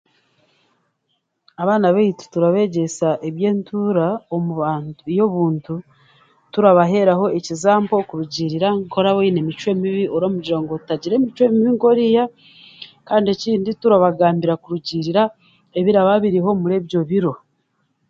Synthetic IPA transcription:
aβaːnaβeiti̥tuɾaβe̞ɟe̞saʔeβje̞ːntʰuːɾaomuβaːntujo̞βuːntu | tuɾaβaɦe̞ɾaho̞ecizaːmbo̞kuɾuɟiɾiɾaŋkʰo̞ɾaβeine̞mit͡ʃwe̞ːmiβiʔoɾomuɟiɾaŋɡotutaɟiɾe̞ːmit͡ʃwe̞miβiŋko̞ɾija | kaːndie̞ciːndituɾaβaɡaːmbiɾakuɾuɟiɾiɾa | e̞βiɾaβaβiɾiɦo̞muɾe̞βjo̞βiɾo̞

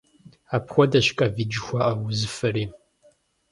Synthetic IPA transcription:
aːpxʷɔdɐɕkʼɐvid͡ʒɪxʷaʔɐwʊzɨfɐriː

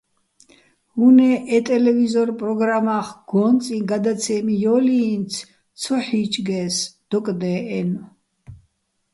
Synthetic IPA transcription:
hunɛʔɛt̪ʼɛlɛvizɔɾpʼɾɔɡɾamaχɡ̥ɔnt͡s̪ʼiɡad̪at̪sʰɛmijɔliːnt̪sʰ | t̪sʰɔħit͡ʃʼɡɛsd̪̥ɔkʼd̪ɛːɛn

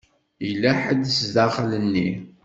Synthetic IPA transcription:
ilːæħəd̪sðaχlənːi

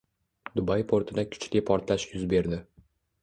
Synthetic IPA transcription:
d̪ʊbajpʰoɾt̪ʰɪd̪akʰʊ̥t͡ʃlɪpʰɒɾt̪laʃjʊzbe̞ɾd̪ɪ

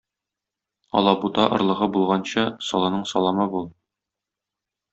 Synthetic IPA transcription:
ɒ̰lˠɑbut̪ɑʔŏɾlˠɤ̆ʁɤbulˠʁɑnɕɑsɒlˠɑnɤɴsɒlˠɑmɤbulˠ

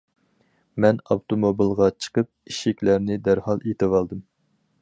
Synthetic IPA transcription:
mɛnɑwt̪omobilˠʁɑt͡ʃʰə̥qəp̚iʃikʲlæɾnɪd̪æɾhɑlˠet̪ɨwɑlˠd̪ɨm

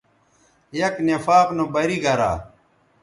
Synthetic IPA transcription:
jɐknefaːqnobɐɾiɡɐɾa̰ː

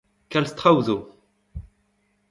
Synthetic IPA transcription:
kalst̪χawðu

